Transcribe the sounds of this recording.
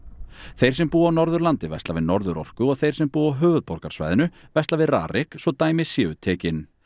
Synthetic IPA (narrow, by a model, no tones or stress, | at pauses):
θejɾ̥sɛmpuːawnɔɾðʏɾlant̪ɪvɛ̰st̪lavɪðnɔɾðʏɾɔ̰r̥kʏɔɣθej̥sɛmpuːawɦœːvʏðpɔɾ̥kḁsva̰jðɪnʏvɛjst̪lavɪðra̰ːɾʔɪksvɔt̪aːjmɪðsjɛːʏt̪ʰɛːcɪn